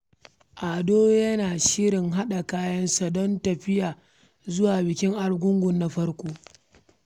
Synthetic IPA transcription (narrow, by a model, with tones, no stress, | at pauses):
ʔa˨doː˦jɐ˦naː˨ʃɪ˦ɽɪ˨ŋɦa˦ɗa˨kaː˦jɐ˦nsa˨dɔ˦ntɐ˨ɸɪ˦jaː˨ | zʊ˦waː˨bɪ˨kʲɪ˦ŋʔa˨ɽɡʷʊ˦ŋɡʷʊ˨nːa˦ɸɐ˦rkʷoː˦